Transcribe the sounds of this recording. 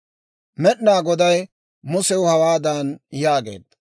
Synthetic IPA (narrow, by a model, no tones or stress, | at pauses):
mɛɗnaːɡɔd̪ɐj | mʊsɛwʊhɐwaːd̪anjaːɡḛːd̪ɐ